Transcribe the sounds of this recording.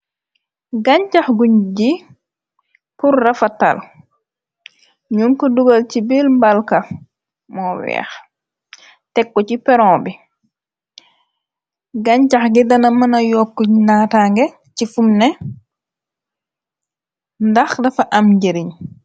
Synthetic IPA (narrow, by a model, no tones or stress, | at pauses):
ɡɐɲcɐxɡuɲɟi | purːɐfɐta̰l | ɲuŋkɔduɡɐlcibilmbalkɐ | mɔwɛ̰ːx | tɛkːɔcipɛɾɔ̃ːbi | ɡɐɲcɐxɡidɐnɐmɐnɐjɔkːuɲnaːtaŋɡɛ | cifumnɛ | ndɐxdɐfɐʔɐmɟeɾiɲ